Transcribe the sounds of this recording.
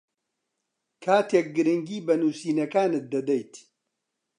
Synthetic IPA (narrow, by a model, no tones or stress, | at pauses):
kʰaːt̪ʰeːk̚ɡɨɾɨŋɡiːbɐnuːsiːnɐkaːnɨt̪̚d̪ɐd̪ɐjt̪